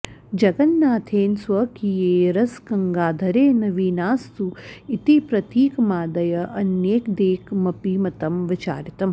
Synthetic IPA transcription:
d͡ʒɐɡɐnːaːt̪ʰeːnsʋɐkijeːɾɐskɐŋɡaːd̪ʱɐɾeːnɐʋiːnaːst̪uit̪ipɾɐt̪iːkɐmaːd̪ɐjɐʔɐnjeːkd̪eːkmɐpimɐt̪ɐmʋɪt͡ʃa̰ːɾit̪ɐm

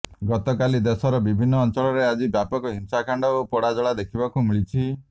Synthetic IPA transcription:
ɡɔt̪ɔkalid̪esɔɾɔbibʱinːɔːnt͡ʃɔɭɔɾead͡ʒibjapɔkɔɦimsakʰaɳɖɔopɔɽad͡ʒɔɭad̪ekʰibakumiɭit͡ʃʰi

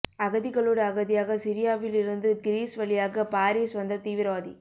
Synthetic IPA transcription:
ɐɣɐðɪɣɐɭoːɽɐːɣɐðɪjaːɣɐsɪɾɪjaːʋɪlɪɾɯnd̪ɯɡɪɾiːsʋɐɭɪjaːɣɐpaːɾiːsʋɐnd̪ɐt̪iːʋɪɾɐʋaːðḭ

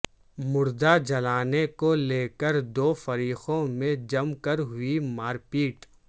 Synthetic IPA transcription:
mʊɾd̪ad͡ʒɐlaːnekoleːkəɾd̪oːfɐɾiːxõmẽd͡ʒɐmkəɾɦʊimaːɾpiːʈ

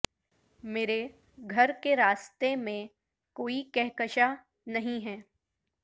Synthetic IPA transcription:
meːɾe | ɡʱɐɾkeɾaːst̪emẽ | koːikɛɦkəʃa | nɐɦĩɦɛː

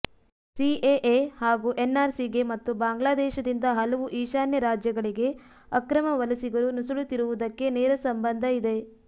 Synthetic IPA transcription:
sieʔehaːɡuːʔenːaːɾsiɡe̞mɐt̪ːubaːŋɡlaːd̪ɛːʃɐd̪ind̪ɐɦɐlɐʋuʔiːʃaːnjɐɾaːd͡ʒjɐɡɐɭiɡe̞ | ɐkɾɐmɐʋɐlɐsiɡɐɾunusɐɭut̪iɾuʋud̪ɐkːe̞nɛːɾɐsɐmbɐnd̪ʱɐid̪e̞

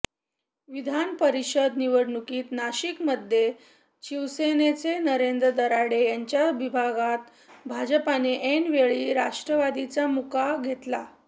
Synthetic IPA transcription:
ʋid̪ʱanpəɾiɕəd̪niʋəɽɳukiːt̪naɕikməd̪ʱːje | t͡ɕiʋsenet͡senəɾend̪ɾəd̪əɾaɽejaɲt͡ɕjaʋibʱaɡat̪ | bʱad͡ʑəpaneʔenʋeɭiːɾaʂʈɾəʋad̪it͡samukaɡʱet̪la

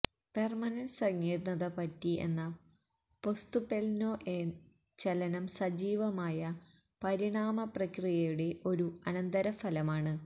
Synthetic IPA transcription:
permɐnɐnsɐŋːiːɾnːɐðɐpɐtːiḛnːɐ | po̞st̪upelnoːʔe | t͡ɕɐlɐnɐmsɐd͡ʑiːʋɐmaːjɐ | pɐɾiɳaːmɐprɐkrijɐjuɽe̞ʔo̞ɾuɐnɐnd̪ɐɾɐfɐlɐmaːɳɨ

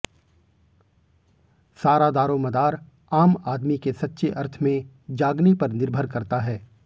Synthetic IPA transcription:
saːɾad̪aːɾõmɐd̪aːɾ | aːmaːd̪mikesɐtːʃeʔɐɾt̪ʰmẽ | d͡ʒaːɡnepɐɾnɪɾbʱəɾkɐɾt̪aɦɛː

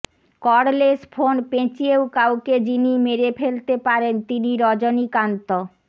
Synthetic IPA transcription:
kɔɾlesfʰonpẽt͡ɕiewkawked͡ʑinimeɾepʰelt̪epaɾent̪iniɾɔd͡ʑonikant̪o

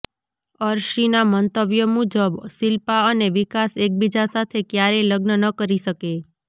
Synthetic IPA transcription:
əɾʃinamənt̪əʋjəmud͡ʒəbsilpaəneʋikasek̚bid͡ʒasat̪ʰekjaɾeləɡnənəkəɾiʃəke

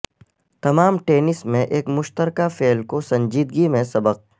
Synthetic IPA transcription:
t̪ɐmaːmʈeːnɪsmẽʔeːkmʊʃt̪əɾkafeːlkosɐ̃ɲd͡ʒiːd̪ɡimẽsɐbəq̚

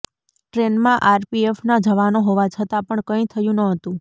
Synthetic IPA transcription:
ʈɾenmãʔaɾpiefnad͡ʒəʋanoɦoʋat͡ʃʰət̪apəɳkə̃ĩt̪ʰəjũnəɦət̪ũ

